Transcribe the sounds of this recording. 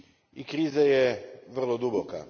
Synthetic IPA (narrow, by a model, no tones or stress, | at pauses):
ikɾiːzajeʋr̩lˠod̪uboka̰